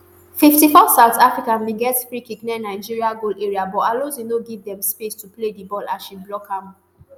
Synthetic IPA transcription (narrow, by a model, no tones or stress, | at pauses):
fiftifɔsaʊtʰafɹikãnmeɡɛtfɹikiknɛnaɪd͡ʒiɹiaɡoleɹiabɔalozinoɡivdɛ̃mspestupledibɔlasʃiblɔkham